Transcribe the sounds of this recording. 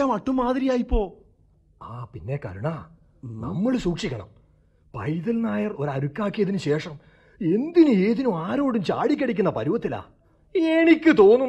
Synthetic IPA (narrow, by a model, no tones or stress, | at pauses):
amɐʈːumːaːðɾijaːjipːo̞ː | aːpinːe̞kɐ̰ɾuɳaː | nɐ̰mːɐɭsuːkʂikʲːɐɳɐ̰m | pɐ̰jðɐlnaːjɐro̞ɾɐɾukːaːkːijɐðinɨɕe̞ːʂɐm | e̞nd̪inueːðinumaːɾo̞ːɽumt͡ɕaːɽikʲːɐɽik̬ʲːunːɐpɐɾuʋɐt̪ːila̰ː | eɳikʲːɨt̪o̞ːnːu